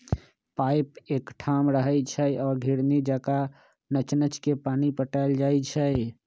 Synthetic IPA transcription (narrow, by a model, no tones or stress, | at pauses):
paɪpeːkʈʰamɾəɦət͡ʃʰəɔːɾɡʱiɾnid͡ʒaka | nət͡ʃnət͡ʃkepaːnipəʈaɪld͡ʒajt͡ʃʰə